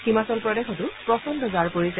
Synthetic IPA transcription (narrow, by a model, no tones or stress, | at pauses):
ximasɔlpɹɔdɛxɔtʊpɹɔsɔndɔzaɹpoɹisɛ